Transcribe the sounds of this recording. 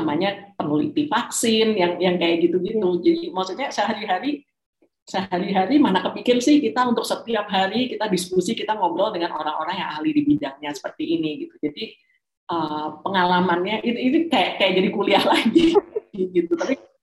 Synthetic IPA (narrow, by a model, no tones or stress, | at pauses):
namaɲapəŋulḭt̪ifaksɪnjaŋjaŋkajaʔɡit̪uɡitud͡ʒadimasut̪ɲasəɦaɾiɦaɾi | səɦaɾiɦaɾimanakəpikɪrsɪhkit̪aunt̪ʊk̚sət̪iap̚ɦaɾikit̪adiskusikit̪aŋobɔldəŋanʔoɾaŋoɾaŋjaŋʔahlidibidaŋɲasə̥pərt̪iːniɡit̪ud͡ʒadi | ʔəpəŋalamanɲaʔiit̪ikajaʔkajaʔ̚d͡ʒadikuliahlaɡiɡ̥iɡit̪ut̪api